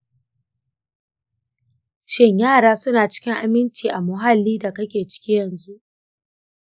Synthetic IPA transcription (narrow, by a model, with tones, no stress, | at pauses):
ʃɪ˦ɲjaː˦˨ɽaː˦sʊ˦naː˨t͡ʃɪ̥˦kʲɪ˦ŋʔa˨mɪ˦nt͡ʃiː˨ʔa˨mʊ˨ɦa˦lːiː˦da˨kɐ˦kʲeː˨t͡ʃɪ̥˦kʲiː˦jɐ˨nzu˦ʔ